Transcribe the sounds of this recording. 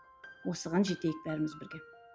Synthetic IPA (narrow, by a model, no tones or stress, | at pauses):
wo̞səʁɑnʒe̞t̪e̞jɪk̚bæɾɪmɪzbɪɾɡʲe̞